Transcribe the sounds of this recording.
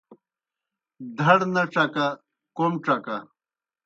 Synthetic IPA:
d̪ʱɐɽnɐʈ͡ʂɐka | komʈ͡ʂɐka

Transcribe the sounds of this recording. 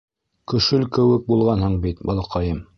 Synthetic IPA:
kɵ̆ʃɵlkɘ̆wɘk̚bulˠʁɑnhɤɴbit̪bɑlˠɑqɑjɤm

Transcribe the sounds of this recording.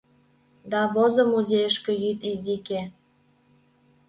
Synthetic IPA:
d̪ɑβozə̆muzʲejəʃkĕjyt̪izike

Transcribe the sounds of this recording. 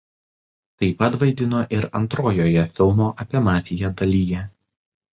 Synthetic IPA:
t̪ɐɪpɐt̪ʋɐɪd̪ʲɪnoːʔɪɾɐ̰nt̪ɾoːjoːjɛfʲɪlˠmoːʔɐpʲiɛmɑːfʲɪjɛd̪ɐlʲiːjɛ

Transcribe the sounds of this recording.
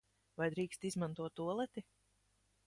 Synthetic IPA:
vajd̪ɾiːkst̪izmãnt̪uɔt̪ːuɔlˠɛt̪i

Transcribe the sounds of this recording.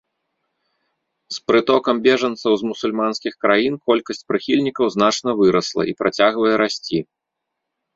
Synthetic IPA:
spɾɨt̪ɔkɐmbʲɛʐɐnt̪sɐwzmusulʲmanskʲixkɾajinkɔlʲkɐsʲt͡sʲpɾɨxʲilʲnʲikɐwznat͡ʂnɐvɨɾɐslˠɐ̰ʔipɾʔat͡sʲaɣvɐjɛɾasʲt͡sʲi

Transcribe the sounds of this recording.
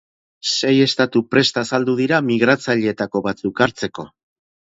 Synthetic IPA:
se̞je̞st̪at̪upɾe̞st̪aːsald̪uð̞iɾamiɣ̞ɾat͡saʎe̞ːt̪ako̞βat͡sukaɾt͡se̞ko̞

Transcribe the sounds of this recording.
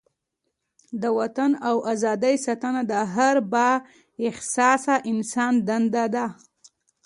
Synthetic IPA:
d̪əwat̪anawʔazɑd̪əjsat̪anad̪əɦaɾbɑ | ɪhsɑsaʔɪnsɑnd̪and̪ad̪a

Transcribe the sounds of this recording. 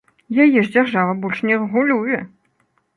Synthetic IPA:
jajɛʐd͡zʲarʐavɐbɔlʲʂnʲɛrɛɣulʲujɛ

